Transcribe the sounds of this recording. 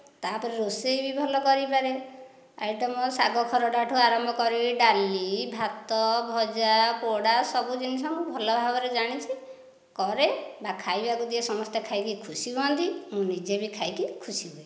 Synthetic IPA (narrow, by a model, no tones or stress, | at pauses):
t̪apɔɾeɾosejbibʱɔlɔkɔɾipaɾe | a̰jʈɔmɔsaɡɔkʰɔɾɔɖaʈʰuaɾɔmbʱɔkɔɾiɖalibʱat̪ɔbʱɔd͡ʒapoɽasɔbud͡ʒinisɔŋkubʱɔlɔbʱabɔɾed͡ʒaɽ̃it͡ʃʰi | kɔɾebakʰajbakud̪iesɔmɔst̪ekʰajkikʰusibɔnt̪imũnid͡ʒebikʰajkikʰusibɔe